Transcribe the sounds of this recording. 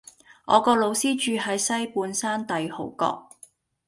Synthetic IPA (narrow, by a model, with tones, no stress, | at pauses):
ʔɔ̰ː˨˧kɔː˧lo˨˧wsiː˥t͡ʃyː˧hɐ˨˥jsɐ˥jpuː˨˧nsaː˥nt̪ɐ˨jho̰˨˩wkɔ̰ː˧k̚